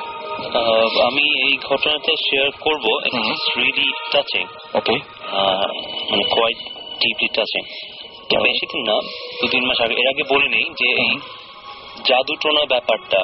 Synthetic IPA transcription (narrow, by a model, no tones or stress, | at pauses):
amiejɡʱɔʈonaʈaʃeaɾkoɾboḛsɾiliʈat͡ɕḭŋ | oke | manekwajʈ | ɖipliʈat͡ɕḭŋ | ipeʃit̪ʰinːad̪̥ud̪inmaʃaɡeʔeɾaɡebolenejd͡ʑeej | d͡ʑad̪uʈɾonabɛpaɾʈa